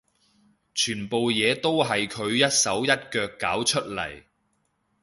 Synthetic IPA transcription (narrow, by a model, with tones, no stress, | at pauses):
t͡ʃʰyː˨˩npo˨wjɛː˨˧t̪o˥wɦɐ˨jkʰɵ˨˧ɥjɐ˥t̚sɐ˨˥wjɐ˥t̚kœː˧kːaː˨˥wt͡ʃʰɵ˥t̚lɐ̰˨˩j